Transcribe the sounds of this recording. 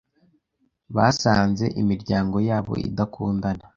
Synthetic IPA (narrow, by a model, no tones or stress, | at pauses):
βasaːnze̞̰ʔimiɾɟaːŋɡo̞jaːβo̞̰ḭdakʰuːndana